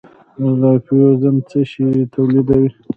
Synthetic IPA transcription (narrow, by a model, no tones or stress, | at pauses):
ɣapijozəmt͡səʃit̪ʰawlid̪awi